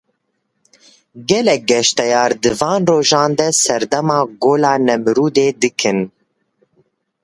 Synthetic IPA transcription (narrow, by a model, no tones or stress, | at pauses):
ɡɛlɛk̚ɡɛʃt̪ɛjɑːɾd̪ɨvɑːnroːʒɑːnd̪ɛsɛɾd̪ɛmɑːɡoːlɑːnɛmɨɾuːd̪eːd̪ɨkʰɨn